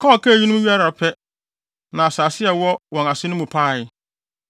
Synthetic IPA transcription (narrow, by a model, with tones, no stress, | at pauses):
kʰɔː˦˨kʰa˦˨ji˦nʊ̃˦i˦a˦ɾa˨pʰɛ˦ | nã˨a˨saː˨sɪ˦ɛ˨wɔ˦wɔ̃˨na˨sɪ˦nʊ̃˦mũ˨pʰa˦˨ɪ˦